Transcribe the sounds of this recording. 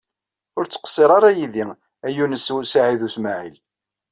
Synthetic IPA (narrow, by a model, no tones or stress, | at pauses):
ʊɾt͡sːə̥qə̥sˤːeɾˤɑɾˤɑjiði | æjunəssaʕiðusmaʕḭl